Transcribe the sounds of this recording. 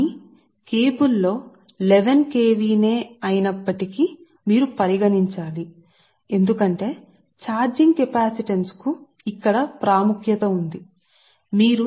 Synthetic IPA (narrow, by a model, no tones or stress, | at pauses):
i | keːbulːo̞ː | leʋenke̞ːʋiːne̞ːɐjinɐpːɐʈiki | miːɾupɐɾiɡɐniɲt͡ʃaːli | e̞nd̪ukɐɳʈe̞ː | t͡ʃaːɾd͡ʒiŋɡ̚kepaːsiʈensku | ikːɐɽɐpɾaːmukʰjɐt̪ɐund̪i | miːɾu